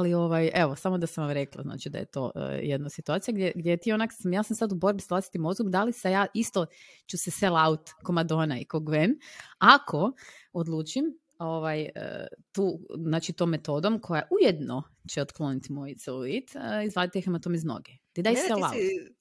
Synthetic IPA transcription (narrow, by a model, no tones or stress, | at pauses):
alio̞ʋajeʋosamod̪asamʋamɾeklˠa̰zna̰ːt͡ʃid̪a̰jḛt̪o̞̰ːjed̪nasit̪uat̪ijaɡd̪jeɡd̪jejet̪ionaksamjaːsamsad̪ubo̞ɾbisalaːsi̥t̪imozɡud̪alisejaːʔist̪ot͡ʃuseselˠaut̪ko̞mad̪o̞ːnaikoɡʋenakʰo̞od̪lˠuːt͡ʃim | oʋajə̰t̪uːznaːt͡ʃit̪oːmːe̞t̪o̞ːd̪o̞mkʰo̞jaʔujed̪no̞ | t͡ʃeot̪klˠonit̪imo̞jt̪seluit̪izʋlaːd̪it̪eixemat̪omizno̰ɡet̪id̪ajselˠa̰t